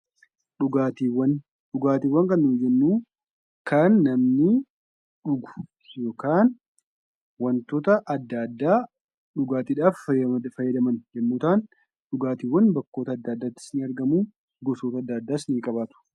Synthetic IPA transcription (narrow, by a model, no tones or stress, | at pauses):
ᶑʊɡaːt̪iwɐn | ᶑʊɡaːt̪iːwːɐŋkɐnːʊd͡ʒɛnːuː | kɐnːɐmnɪ | ᶑʊɡʊ̥ | jo̞ːkaːn | wɐnt̪oːt̪ɐʔɐd̪ːaːd̪ːaː | ᶑʊɡaːt̪iːᶑaːffɐjːɐd̪ɐmɐnd͡ʒɛmːuːt̪aːn | ᶑʊɡaːt̪iːwːɐnbɐkːo̞ːt̪ɐːd̪ːaːd̪ːaːt̪ːɪ̥snɪɐɾɡɐmuː | ɡɔsoːt̪ɐɐd̪ːaːd̪ːaːsniːkʼɐbaːt̪ʊ̥